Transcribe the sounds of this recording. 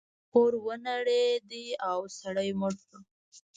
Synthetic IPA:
koɾwənaɽed̪iawsaɽəjmʊɽkə

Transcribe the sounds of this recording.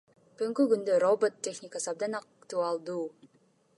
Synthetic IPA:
b̥yɡŋkyɡynd̪ørobot̪ːʲe̞xnʲɪkasɯɑb̚d̪ɑnɑkt̪uɑlˠd̪uː

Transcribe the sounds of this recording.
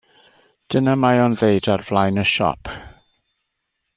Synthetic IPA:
d̥ənamajɔnðejdarvlˠajnəʃɔ̰pʰ

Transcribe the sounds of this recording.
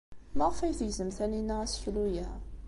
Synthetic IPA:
ləʁfæjθjzəmθæninæʁæsçlujæ

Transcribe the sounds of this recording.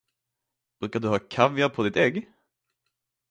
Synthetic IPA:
b̥ɾʉ̟ːkaɖɵɦɑːkʰavjapʰɔd̪ɪt̪ɛɡ

